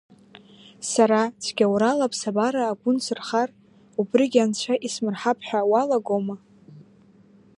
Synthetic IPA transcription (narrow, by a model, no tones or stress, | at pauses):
saɾat͡ʃʷʰɡʲawɾalapʰsabaɾaːɡʷʊnsɨrχar | ubrɨɡʲant͡ɕʷʰaʔismɨrħapʰħʷᶣawalaɡoma